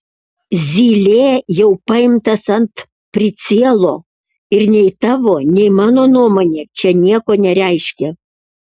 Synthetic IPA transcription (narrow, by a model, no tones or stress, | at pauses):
zʲiːlʲeːjɛʊpɐɪmt̪ɐsɐnt̪ | pʲɾʲɪsʲiɛlˠoː | ɪɾnʲɛɪt̪ɑːʋoːnʲɛɪmɑːnoːnuɔmoːnʲeːt͡ʃʲɛnʲiɛkoːnʲɛɾʲɛɪʃʲkʲɛ